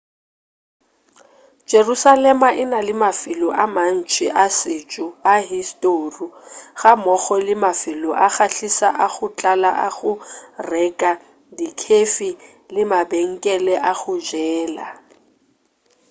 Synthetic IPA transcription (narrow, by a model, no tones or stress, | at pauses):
d͡ʒerusalɛmaʔɪnalɪmafɪlɔʔaman̩t͡ʃʰʼɪʔasɪt͡ʃʼʊaɦistʼoruɣamɔχɔlɪmafɪlɔʔaχaɬisa̰ʔaχʊt͡ɬʼala̰ʔaɣʊrɛkʼa | dikʰefi | lɪmabeŋ̩kʼɛlɛʔaɣʊd͡ʒɛːla̰